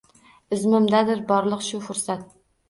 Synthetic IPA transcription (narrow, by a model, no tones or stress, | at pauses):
ɪzmʊmd̪ad̪ɪɾbɒɾlˠəqʃufʊɾsat̪̚